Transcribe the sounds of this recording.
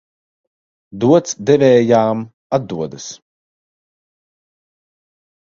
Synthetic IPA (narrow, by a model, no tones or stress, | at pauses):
d̪uɔt̪sd̪ɛvɛːjaːm | ad̪ːuɔd̪əs